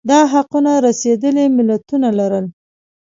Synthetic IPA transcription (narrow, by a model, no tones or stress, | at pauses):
d̪ɑɦaqunaɾased̪əlimɪlat̪unalaɾəl